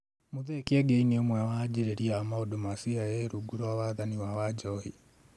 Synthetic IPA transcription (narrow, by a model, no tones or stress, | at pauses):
moðekiɛɡeiniomwɛwad͡ʒiɾeɾiamaodomasiajeɾuɡuɾwawaðaniwawad͡ʒɔhi